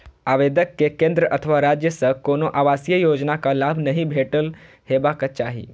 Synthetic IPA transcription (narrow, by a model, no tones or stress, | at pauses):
aːʋeːd̪əkːekẽːnd̪ɾəʔət̪ʰəʋaɾaːd͡ʒjəsəkoːnoʔaʋaːsjəjoːd͡ʒnakalaːbʱnɐɦĩbʱeːʈəl | heːbakat͡ʃaːɦḭː